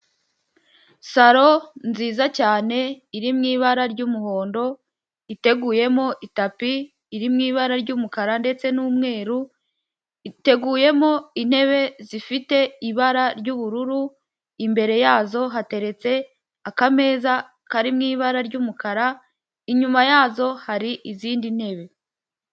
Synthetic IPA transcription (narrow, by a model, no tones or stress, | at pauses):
saɾo̞nziːzacaːne̞iɾimŋiːβaɾaɾɟuːmuho̞ːndo̞ | ite̞ɡuːje̞mo̞ʔitapiː | ɾimŋiːβaɾaɾɟuːmukaɾande̞t͡se̞nuːmŋe̞ːɾu | te̞ɡuːje̞mo̞in̥he̞βe̞zifite̞iβaɾaɾɟuːβuɾuɾu | imbe̞ɾe̞jaːzo̞ɦate̞ɾe̞t͡se̞ | akame̞ːza | kaɾimŋiːβaɾaɾɟuːmukʰaɾa | iɲumajaːzo̞haɾiʔiziːndin̥he̞βe̞